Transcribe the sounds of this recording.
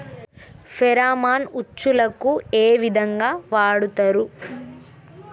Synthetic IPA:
pʰɛɾaːmaːnut͡ʃːulɐkueːʋid̪ʱɐŋɡaːʋaːɽut̪ɐɾu

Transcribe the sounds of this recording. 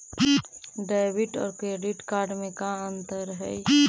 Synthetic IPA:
ɖaːbɪʈɔ̰ːɾkɾeːɖɪʈkaːɾɖmẽkaə̃nt̪əɾɦɛ̰

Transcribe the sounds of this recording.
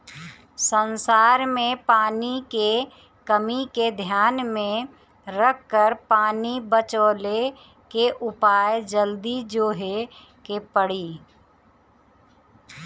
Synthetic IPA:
sənsaːɾmẽpaːnike | kəmiked̪ʱjaːnmẽ | ɾəkːəɾpaːnibət͡ʃoːle | keʔʊpaːjd͡ʒəld̪id͡ʒoːɦe | kepəɽiː

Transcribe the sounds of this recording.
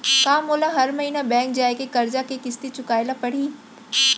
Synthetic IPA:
kaːmoːlaɦɐɾmɐɦiːnabɛ̃ːŋk̚d͡ʑaːekekɐɾd͡ʑakekɪst̪it͡ɕʊkaːɪlapɐɽ̤iː

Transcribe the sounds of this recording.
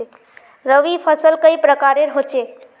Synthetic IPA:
ɾəʋipʰəsəlkəjpɾəkaɾeɾɦot͡ʃe

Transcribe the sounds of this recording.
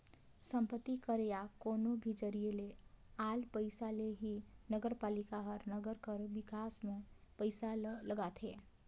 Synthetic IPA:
səmpət̪ːikəɾejakonobʱid͡ʒəɾielealpəɪsaleɦinəɡəɾpalikaɦʌɾnəɡəɾkəɾbikasmepəjsalləɡat̪ʰe

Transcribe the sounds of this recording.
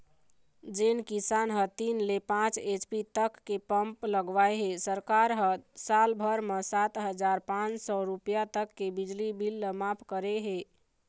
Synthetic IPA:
d͡ʒenkisanɦət̪inlepãt͡ʃet͡ʃpit̪əkːepəmpləɡʋaeɦesəɾkaɾɦəsalbʱəɾmesat̪ɦəd͡ʒaɾpãt͡ʃsɔɾupjat̪əkːebid͡ʒlibʱilːəmapʰkəɾeɦe

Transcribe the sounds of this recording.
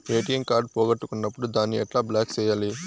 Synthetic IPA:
ʋeːʈijɐŋkaːɾɖ̚pɔːɡɐʈːukunːɐpːuɽud̪aːnːiɛʈlaːblaːkt͡ʃɛːjaːli

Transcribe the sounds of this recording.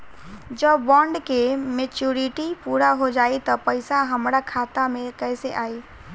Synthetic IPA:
d͡ʒəbbɔ̃ːɳɖkemet͡ʃuɾiʈipuːɾaɦod͡ʒaːit̪əpəɪsaɦəmɾakʰat̪amẽkəɪseʔaːi

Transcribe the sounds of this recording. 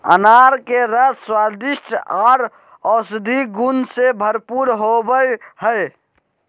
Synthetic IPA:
ə̰naːɾkeɾəswaːd̪ɪʃʈaːɾ | ɔːsɪd̪ʱiɡʊnsebʱəɾpuːɾɦobəjhəj

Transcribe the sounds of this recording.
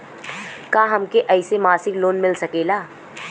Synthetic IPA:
kãːɦɐmkeʔɐɪsemaːsɪkloːnmɪlsɐkeːlaː

